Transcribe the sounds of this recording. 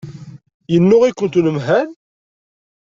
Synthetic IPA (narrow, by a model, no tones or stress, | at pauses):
jənːʊʁikʷːənt̪nəmɦæn